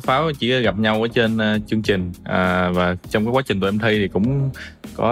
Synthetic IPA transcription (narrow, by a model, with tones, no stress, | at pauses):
faː˨˦wt͡ɕḭ˧˩ɔ˨˦ɣa˨˩p̚ɲa˧wʔəː˧˩˦t͡ɕe˧nː˧t͡ɕɨ˧əŋt͡ɕï˨˩ŋ̟ʔaː˨˩vaː˨˩t͡ɕɔ˧wŋ͡mkaː˨˦kwaː˨˦˥t͡ɕï̟˨˩t̪ːmt̪ʰi˧t̪ʰi˨˩kʊ̰˧˥ŋ͡mkɔ˨˦